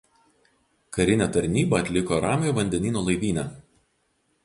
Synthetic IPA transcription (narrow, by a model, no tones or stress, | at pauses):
kɐɾʲɪnʲɛt̪ɐɾʲnʲiːbɐːt̪ʲlʲɪkoːɾɑːmʲjoːʋɐnʲd̪ʲɛnʲiːnoːlˠɐɪʋʲiːnʲæː